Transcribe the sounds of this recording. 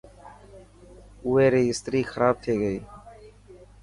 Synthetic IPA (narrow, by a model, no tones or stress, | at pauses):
ʊeːɾeːɪst̪ɾiːxəɾaːb̚t̪ʰeːɡəiː